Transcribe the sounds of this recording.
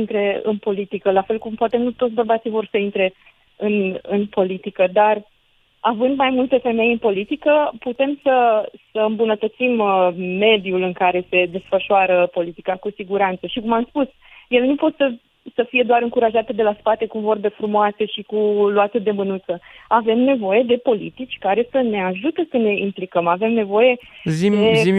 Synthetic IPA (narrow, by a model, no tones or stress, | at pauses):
int̪ɾe̞ɨ̰npo̞lit̪ikəlafe̞lkumpoat̪e̞mnut̪ot̪sʲbərbat̪sivo̞rsəint̪ɾe̞ | ɨnɨnpo̞lit̪ikəd̪ar | avɨnd̪majmult̪e̞fe̞me̞jɨnpo̞lit̪ikəput̪e̞msəsəɨmbunət̪ət̪simme̞d̪julɨŋkaɾe̞se̞d̪e̞sfəʃuoaɾəpo̞lit̪ikakusiɡuɾant̪səʃikumamspus | jele̞nupo̞t̪sə | səfije̞d̪oaɾɨŋkuɾaʒat̪ed̪e̞laspat̪e̞kuvo̞rb̪e̞fɾumoase̞ʃikuluat̪sed̪e̞mɨnut̪səave̞mne̞vo̞je̞d̪e̞po̞lḭt̪it͡ʃʲkaɾe̞səne̞aʒut̪əsəne̞implikəmave̞mne̞vo̞je̞zid̪ei